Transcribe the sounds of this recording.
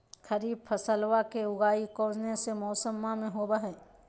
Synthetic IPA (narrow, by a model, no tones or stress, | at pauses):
xəɾiːb̚pʰɐsəlwakeʊɡaːikɔ̃ːd͡ʒnesemɔːsəmːamẽɦoːbaɦɛː